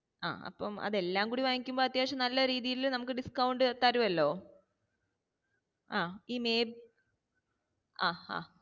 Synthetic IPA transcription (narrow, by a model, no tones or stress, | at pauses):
a̰ːɐ̰pːɐmɐ̰ðe̞lːaːmŋkuːɽiʋaːŋikʲːumboːɐt̪jaːɕɐmnɐlːɐɾiːðijilinɐmukːɨɖiskɐwɳɖɨt̪ːɐɾuʋɐlːo̞ː | aːiːmeːb̚ | aːha̰ː